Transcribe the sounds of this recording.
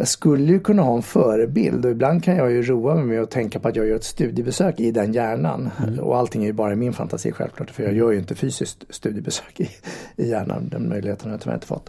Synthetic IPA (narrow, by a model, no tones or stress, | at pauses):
jɑskɵlːəjɵkʰɵnːaɦɑːɛnfœːɾəbɪ̰ld̪ɔɪbland̪̚kʰanjɑːɡjɵɾuːamɛmɛjɔt̪ʰɛŋkapɔat̪jɑːɡajœːɾɛt̪st̪ʉ̟ːd̪jəbɛsøːkɪd̪ɛnjæːɳa̰nɔ̰alt̪ʰɪŋːæɾjɵbɑːɾaɪmɪnfa̰nt̪ʰasḭːɧɛ̰vklɑ̰ːʈfœjɑɡjœːjʏɪnt̪əfyːsɪskt̪st̪ʉːd̪jəbɛsø̥ːkɪɪjæːɳa̰nd̪ɛ̰nmœ̰jlɪheːt̪əajana̰j̰ɪ̰nt̪ə̥fɔ̰t̪ː